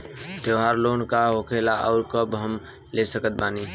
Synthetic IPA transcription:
d̪əʋɦaːɾloːnkaɦokʰelaʔɔ̰ːɾkəbɦəm | lesəkət̪̚baːniː

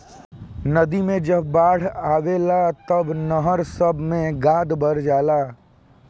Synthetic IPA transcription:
nɐd̪imẽd͡ʒɐbːaːɽ̤aːʋeːlat̪ɐbnəɦəɾsəbʱmẽɡaːd̪bəɾd͡ʒaːlaː

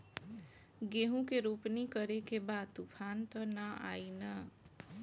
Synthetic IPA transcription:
ɡeɦũkeɾupnikʌɾekebad̪̚t̪upʰant̪ʌnʌa̰inʌ

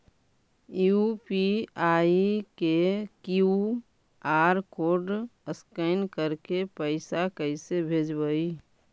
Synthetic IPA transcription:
jupiaːikekju | aːɾkoːɾɖəskəɪnkəɾkepəɪsakəɪsebʱeːd͡ʒbəi

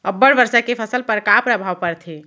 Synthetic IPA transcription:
əbːəɽbəɾsakepʰəsəlpəɾkapɾəbʱawpəɾt̪ʰi

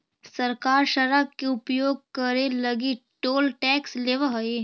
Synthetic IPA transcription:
sɐɾkaːɾʃəɾab̚keʊpjoːɡ̚kəɾelɐɡiʈoːlʈɛːksleːʋəɦɐe

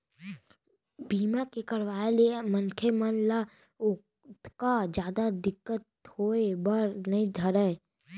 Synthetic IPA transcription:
biːmakekəɽʋaːelemənkʰemənla | ʊ | t̪kad͡ʒjaːd̪ad̪ɪkːət̪hoːebəɾnəĩd̪ʱəɾə

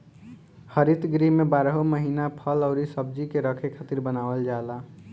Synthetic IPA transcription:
həɾit̪ɡɾimebaɾɦoməɦinapʰələʊɾisəb̚d͡ʒikeɾəkʰekʰat̪iɾbənaʋəld͡ʒala

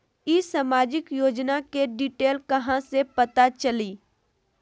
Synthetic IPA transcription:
isaːmaːd͡ʒɪkjoːd͡ʒnakeɖiːʈeːlkɐɦãsepɐt̪at͡ʃɐliː

